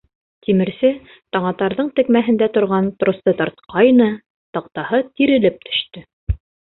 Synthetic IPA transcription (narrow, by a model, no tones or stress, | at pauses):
t̪imɘ̆ɾsɘ | t̪ɑɴɑt̪ɑɾðɤɴt̪ɘ̆kmæɦɘ̆nd̪æt̪ŏɾʁɑnt̪rŏst̪ɤt̪ɑɾt̪qɑjnɤ | t̪ɑq̚t̪ɑhɤt̪iɾɘ̆lɘp̚t̪ɵ̥̆ʃt̪ɵ